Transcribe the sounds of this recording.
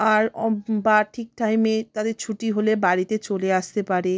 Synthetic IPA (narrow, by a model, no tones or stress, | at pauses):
aɾɔbaʈʰik̚ʈajmet̪ad̪eɾt͡ɕʰuʈiɦolebaɾit̪et͡ɕoleaʃt̪epaɾe